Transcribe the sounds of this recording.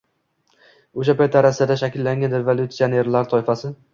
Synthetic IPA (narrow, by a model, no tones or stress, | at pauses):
oʃ̬apajt̪ːaɾasad̪aʃakʲɪlːaŋɡʲanɾevolˠjʊt̪siane̞ɾlaɾt̪ʰɒɪfasɪ